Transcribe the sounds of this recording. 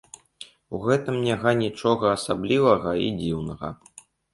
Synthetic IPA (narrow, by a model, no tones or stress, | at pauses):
uɣɛt̪ɨmnʲaɣanʲit͡ʂɔɣɐːsablʲivɐɣɐḭd͡zʲiwnɐɣɐ̰